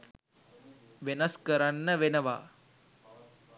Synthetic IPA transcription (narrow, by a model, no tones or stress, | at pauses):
ʋenɐskɐɾanːɐʋenɐʋa̰ː